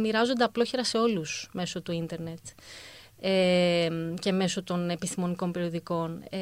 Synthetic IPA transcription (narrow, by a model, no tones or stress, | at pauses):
miɾɐzo̞nd̪eɐplo̞çe̞ɾɐse̞o̞lusme̞so̞t̪uind̪e̞ɾne̞t̪ | emce̞me̞so̞t̪o̞ne̞pist̪imo̞niko̞mpe̞ɾioðiko̞n